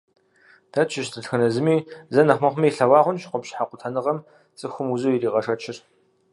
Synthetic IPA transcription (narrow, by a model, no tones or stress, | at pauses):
d̥ʰɐt͡ʃʰɪɕtʰɨɬxɨnɐzɨmiːzɐnɐχʷmɐχʷmiːɬɐwɑːʁʷʊnɕqʷəpɕħaqʷʊtʰɐnɨʁɐm | t͡sʼɨxʷʊmuzuwjiɾiːʁɐʂɐt͡ʃʰɪr